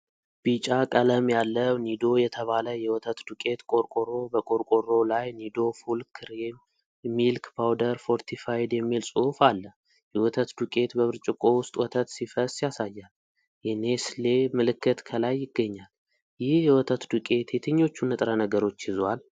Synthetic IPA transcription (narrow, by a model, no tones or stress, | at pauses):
b̥it͡ʃʼakʼələmjalːəwnid̪o̞jɛt̪ʰəβaləjɛwɔt̪ʰət̪d̪ukʼe̞t̪kʼo̞ɾkʼoɾo̞bəkʼoɾkʼoɾo̞lajnid̪o̞fulkʰɨɾem | milkbawd̪əɾfo̞ɾt̪ʰifajd̪jɛmːilsʼuhfalːə | jɛwɔt̪ʰət̪d̪ukʼe̞t̪bəβɨɾt͡ʃʼɪkʼo̞wʊst̪ʼwɔt̪ʰət̪sifəsjasajːal | jɛneslemɨlɨkːɨt̪kʰəlajːɪɡːəɲːal | jɪhjɛwɔt̪ʰət̪d̪ukʼe̞t̪ʰjɛt̪ʰɨɲːo̞t͡ʃːunɨt̪ʼɾənəɡəɾo̞t͡ʃːɪzal